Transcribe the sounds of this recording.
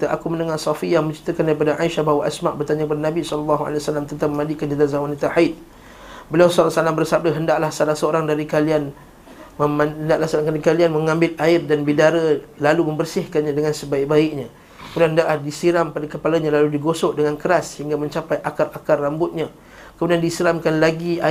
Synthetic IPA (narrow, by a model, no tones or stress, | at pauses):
t̪aʔakumənəŋahsɔfijamə̃ɲt͡ʃi̥t̪ːəkandaɾipadaʔaiʃahbawaʔasmaʔ̚bərt̪aɲakəpadanabisɔllːaɦua̰lewasalamt̪ənt̪aməmãdikand͡ʒədazahwanit̪ahait̪̚ | bəliawsɔlsalambərsab̚dəɦəndaʔlahsalasəoɾaŋdaɾikalian | məməndaʔlasɾaŋaɾikalianməŋãmbɪlaɪrdanbidaɾalalumə̃mbərsɪhkanɲãdəŋãnsəbaiʔ̚baɪk̚ɲa | mulaɦəndaʔlahdisiɾampadakəpalaɲalaludiɡosɔʔdəŋankəɾasə̥hiŋɡamə̃ɲt͡ʃapajʔakarakarːambʊt̪̚ɲa | kəmudiandisiɾamkanlaɡia